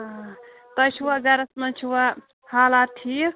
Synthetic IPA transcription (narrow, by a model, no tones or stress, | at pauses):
t̪ɐt͡ʃʰuwaɡaɾɐsmɐnt͡ʃʰuwa | halat̪ʰi